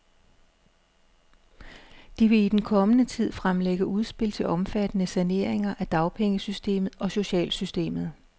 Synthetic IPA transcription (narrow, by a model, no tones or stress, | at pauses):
d̥iʋe̝id̥enkʰɒ̽mənət͡sʰið̞̰ˠfʁamleɡ̥əʔuð̞ˠsb̥e̝l̰t͡sʰe̝lʔɒ̽mfæd̥ənəsæne̝ɐ̰e̝ŋɐʔæd̥ɑ̈ʊpʰeŋəsysd̥e̝̰ːmð̩ˠɒ̽so̝ɕɛ̰ːlsysd̥e̝̰ːmð̩ˠ